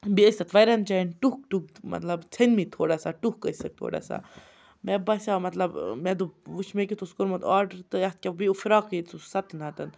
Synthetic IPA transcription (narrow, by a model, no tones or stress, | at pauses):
biəsʲɐt̪ʋɐjɾɐnt͡ʃanʈukʈuɡmɐ̰t̪lɐbt͡sʰɐnmit̪ʰoːɽasaʈukkɐsɐk̚t̪ʰo̰ːɽa̰ːsa̰ | mebɐsʲamɐt̪lɐbmɛd̪uʋuʃmekʲit̪ʰuskoɾmɐt̪aːɾɖəɾt̪ɨjɐst̪̚kʲabiufɾaːkit̪susɐt̪nat̪ɐn